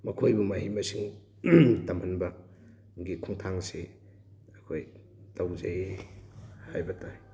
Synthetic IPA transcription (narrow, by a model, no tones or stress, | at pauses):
mɐkʰojbumaɦimɐsiŋ | tɐmhɐnbɐ | ɡikʰuŋtʰaŋse | ɐkʰoj | tawzej | hajbɐtʰa